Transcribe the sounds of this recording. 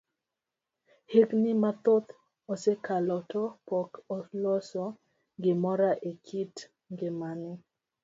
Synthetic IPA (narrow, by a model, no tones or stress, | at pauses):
heknɪmat̪ot̪ | ɔsɛkʰalɔtɔpɔkɔlɔsɔ | ŋɡɪmɔɾaʔekʰit | ŋɡɪmanɪ